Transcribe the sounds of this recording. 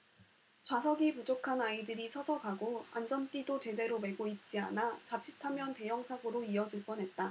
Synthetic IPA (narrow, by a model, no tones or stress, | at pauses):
t͡ɕwasʰʌɡipud͡ʑokʰanaidɯɾisʰʌsʰʌɡaɡoa̰nd͡ʑʌnt͈idot͡ɕe̞de̞ɾome̞ɡoit̚t͡ɕ͈ia̰nat͡ɕat͡ɕʰi̥tʰamjʌnte̞jʌŋsʰaɡɯɾoiʌd͡ʑiɭp͈ʌnɦe̞t̚t͈a